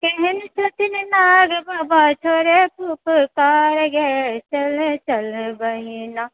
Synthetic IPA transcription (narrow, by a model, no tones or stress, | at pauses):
kɛɦɛnsʰɐt̪ɪnnaːɡbabat͡ʃʰoːɾepupəkaːɾɡɛt͡ʃɐlt͡ʃɐlbɐɦina